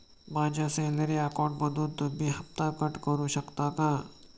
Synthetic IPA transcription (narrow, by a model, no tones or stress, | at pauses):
bãːd͡ʒasẽneɾeaːkɔːɖ̚bɐd̪uːt̪bʱiɦɐft̪akəʈkəɾuʃɐkt̪akãː